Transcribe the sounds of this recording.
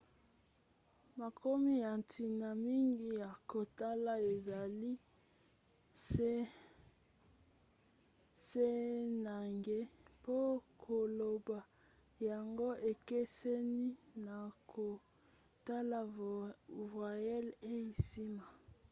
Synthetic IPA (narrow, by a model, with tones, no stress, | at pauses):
ma˨ko˦mi˦ja˨ntʰi˨na˨mi˦ŋɡi˦ja˨ko˨ta˦la˨e˨za˨li˦ | se˦na˨ŋɡe˦po˦kʰo˨lo˨ba˨ | ja˨ŋɡo˦ʔe˨ke˦sɛ˦ni˦na˨kʰo˨ | ta˦la˨ | vwa˨jɛ˦le˦i˨si˦ma˨